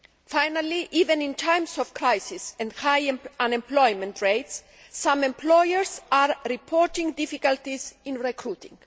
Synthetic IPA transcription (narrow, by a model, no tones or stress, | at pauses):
fajnaliʔivẽnĩnt̪ʰãjmsɔfkɾajsisɛ̃nd̪hajãnẽmplɔjmẽnt̪ɹejt̪sː | ãmẽmplɔojɛɾsaɾɾipʰoɾt̪ĩŋɡd̪ifikalt̪isĩnɹekɾut̪ḭ̃ŋɡ